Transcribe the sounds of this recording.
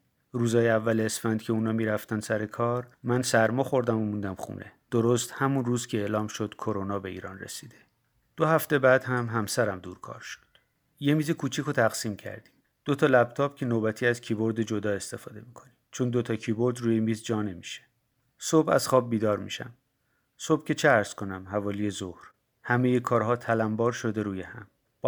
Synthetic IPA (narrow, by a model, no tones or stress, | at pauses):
ɾuːzɒːjeævːælːsfænd̪̥cʰe̞uːnɒːmiːɾæft̪ænd̪sæɾekʰɒːɾmænsæɾmɒːxo̞ɾd̪æmomund̪æmxṵːnʔḛd̪̥oɾost̪hæmunruːzcʲʰeeːlɒːmʃod̪̥kʰo̞ɾonɒːbe̞ḭːɾɒːnrḛsiːd̪̥e̞ | d̪̥ohæft̪e̞bæːd̪̥hæmɦæmsæɾæmd̪uːɾkʰɒ̰ːɾʃo̥d̪̥ | jemiːzekʰuːt͡ʃʰikʰot̪ʰæɣ̥siːmcʰæ̰ɾd̪i̥m | d̪̥o̞t̪ʰɒːlæb̥t̪ʰɒːbcʰe̞noːbæt̪ʰiːæzcʰibo̞ɾd̪e̞d͡ʒo̞d̪ɒːe̞st̪e̞fɒːd̪e̞miːkʰo̞nimt͡ʃʰond̪ot̪ʰɒcʰiːbo̞ɾd̪ɾuːjemiːzd͡ʒɒːne̞miʃe̥ | so̞bæ̰z̥xɒːb̚ːiːd̪ɒːɾmḭʃæ̰m | so̞bcʲe̞t͡ʃʰeæɾz̥ko̞næmhævɒːlije̞zohɾ | hæme̞jekʰɒːɾɦɒːt̪ʰælæmbɒːɾʃo̞d̪e̞ɾuːjehæ̰m | b